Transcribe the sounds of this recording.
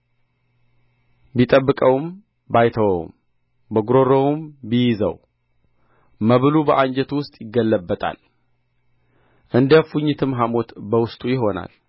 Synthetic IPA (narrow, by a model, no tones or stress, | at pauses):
bit̪ʼəbːɨkʼəwm | bajt̪ʰəwə̰w̰m | bəɡuɾo̞ɾowumbijɪzə̰w | məβɨlubəʔaɲd͡ʒɛt̪wʊst̪ʼjɪɡːəlːəbːət̪ʼʰa̰l | ʔɨnd̪əfuɲːɪt̪ʰɨmɦamo̞t̪bəwʊst̪ʼujɪɦo̞na̰l